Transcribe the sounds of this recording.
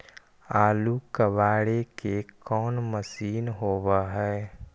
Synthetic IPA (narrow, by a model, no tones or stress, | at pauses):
aːlukəʋaːɽekekɔːnməsiːnɦoːwaɦɛː